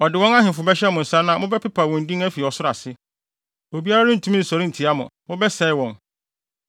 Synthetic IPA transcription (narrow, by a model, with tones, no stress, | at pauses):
ɔ˨dɪ˨wɔ̃˦ŋa˦ɦɪ̃˨fʊ˨bɛ˦ɕɛ˦mʊ̃˨n̩˨sã˦nã˦˨mʊ̃˦bɛ˦pʰɪ˦pʰa˨wɔ̃˨n̩˨dĩ˦ŋæ˦fi˨ɔ˨sʊ˦ɾa˨sɪ˦ | o˨bi˦a˦ɾa˦nʊ̃˦n̩˨tʰũ˦mĩ˦n̩˨sɔ˨ɾɪ̃˦n̩˨tʰi˨a˦mʊ̰̃˨mʊ̃˦bɛ˦sɛ˨˦ɪ˦wɔ̃˨n